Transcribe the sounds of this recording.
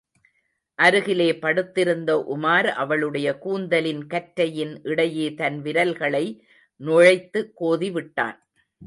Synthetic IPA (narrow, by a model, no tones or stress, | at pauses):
ʔɐɾɯɣɪleːpɐɽɯt̪ːɪɾɯnd̪ɐʔʊmaːɾʔɐʋɐɭɯɽɐjɐkuːnd̪ɐlɪnkɐʈɾɐjɪnʔɪɽɐjeːt̪ɐnʋɪɾɐlɣɐɭɐɪ | nɔɻɐɪt̪ːɯkːoːðiʋɪʈːa̰ːn